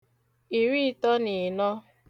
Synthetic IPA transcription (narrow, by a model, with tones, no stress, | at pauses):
i˨ɾi˦tɔ˦ni˨nɔ˦